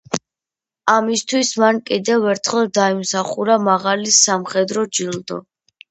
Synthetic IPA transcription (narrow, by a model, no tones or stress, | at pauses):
amist̪ʰwismankʼid̪ɛvɛɾt̪ʰχɛlˠd̪aimsaχuɾamaʁalisamχɛd̪ɾɔd͡ʒilˠd̪ɔ̰